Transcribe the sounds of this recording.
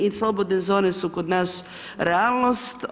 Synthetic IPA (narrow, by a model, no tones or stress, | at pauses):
islˠɔbod̪nezonɛsukod̪nas | ɾɛalˠnost̪